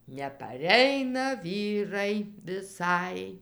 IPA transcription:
nʲɛpɐˈrʲɛɪnɐ ˈʋʲiːrɐɪ ʋʲɪˈsɐɪ

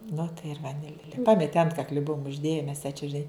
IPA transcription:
nʊ tɐɪ ɪr ʋɐˈnʲɪlʲeː ˈpɑːmʲɛtʲɪ ˈɐntkɐklʲɪ ˈbʊʊm ʊʒʲˈdʲeːjɛ mʲɛs jɛɪ t͡ʃʲɛ ʒʲɪˈnɐɪ

